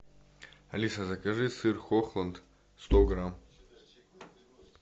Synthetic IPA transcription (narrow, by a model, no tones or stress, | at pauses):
ɐlʲisazɐkʼɐʐɨsɨrxoxlˠɐnt̪ | st̪oɡɾam